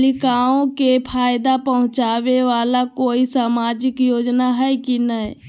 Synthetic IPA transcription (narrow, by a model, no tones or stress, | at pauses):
likaõkepʰaːjd̪apəɦʊ̃t͡ʃaːʋeʋaːlakoːisaːmaːd͡ʒɪkjoːd͡ʒnaɦɛjkinəi